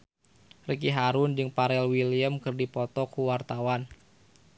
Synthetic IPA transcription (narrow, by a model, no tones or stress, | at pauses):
rək̬iɦaɾʊnd͡ʒɨŋpaɾɛlwiliəmkɨrdipɔt̪ɔkːuwart̪awan